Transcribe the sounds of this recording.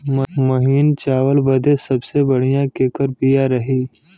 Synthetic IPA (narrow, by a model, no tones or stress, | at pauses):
mɐɦiːnt͡ʃaːʋəlbɐd̪ʱesɐbsebɐɽ̤ijãkekəɾpijaɾɐɦiː